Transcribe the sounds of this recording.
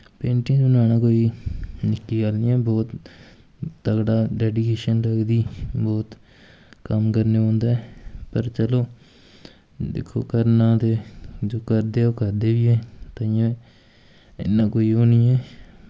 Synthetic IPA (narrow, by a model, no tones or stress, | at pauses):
pẽːɳʈĩːsʊnaːnãːkoːiːnɪkːiːɡalnĩːɛːbɔːt̪ | t̪əɡɽaːɖɛːɖikeːʃənɾəkd̪iːbɔːt̪ | kəmkəɾneːɦõːnd̪aːɛːpəɾt͡ʃəloː | d̪ḛkʰːo̰ːkəɾnãːt̪eːd͡ʒoːkəɾd̪eːoːkəɾd̪eːʋiːɛːt̪əiãː | ɪ̰nːãːkoːiːoːnĩːɛː